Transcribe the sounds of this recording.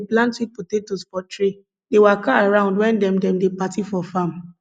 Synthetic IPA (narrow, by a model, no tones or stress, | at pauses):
plãntik̚potetospɔtɹe | dewakaaɹãʊ̃ndwɛ̃ndɛ̃mdɛ̃mdepatifɔfãm